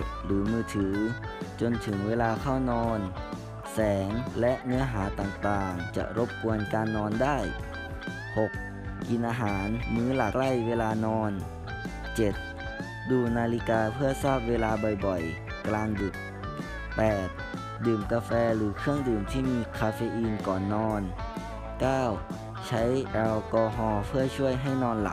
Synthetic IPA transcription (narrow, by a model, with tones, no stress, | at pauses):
lɯː˨˩˦mɯː˧t̪ʰɯː˩˦ | t͡ɕo˧nt̪ʰɯ˨˩˦ŋweː˧laː˧kʰa˥˩wnɔː˧n | sɛː˩˨˦ŋlɛ˦ʔŋɯ˦˥ɐɦaː˩˦t̪aː˨˩ŋt̪aː˨˩ŋt͡ɕa̰˨˩ʔɾo˦˥p̚ku˧ənkaː˧nːɔː˧nda˥˩j | ho˨˩k̚ | ki˧nʔaː˧ɦaː˩˦nmɯː˧˥˩la˨˩kla˧˥˩jʋeː˧laː˧nɔː˧n | t͡ɕe˨˩t̪̚ | duː˧˩naː˧li˧kaː˧pʰɯ˥˩ɐsaː˥˩p̚weː˧laː˧bɔ˨˩jbɔ˨˩j | klaː˧ŋdu˨˩t̪̚ | pɛː˨˩t̪̚ | dɯː˨˩mkaː˧fɛː˧lɯː˨˦kʰɯ˥˩əŋdɯː˨˩mt̪ʰiː˧˩miː˧kʰaː˧feː˧ʔiː˧nkɔː˨˩nːɔː˧n | kaː˥˩w | t͡ɕʰa˦˥jʔɛ˧wkɔː˧ɦɔː˧pʰɯ˥˩ɐt͡ɕʰu˥˩əjɦa˧˥˩jnɔː˧nla̰˨˧˦